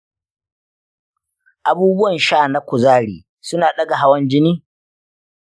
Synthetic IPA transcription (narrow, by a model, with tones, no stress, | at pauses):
ʔa˨buː˦bʊ˦wɐ˨nʃaː˦˨na˦kʷʊ˨zaː˦˨ɽḭː˨ | sʊ˦naː˨ɗɐ˦ɡa˨ɦa˦wɐ˦nd͡ʒɪ˦niː˦